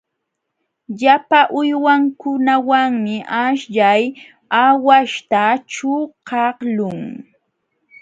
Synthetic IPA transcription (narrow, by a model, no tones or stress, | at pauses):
ʎapaʔʊjwaŋkʊnawaŋmɪʔaʃʎaj | awaʃt̪at͡ʃʊqɑhlʊŋ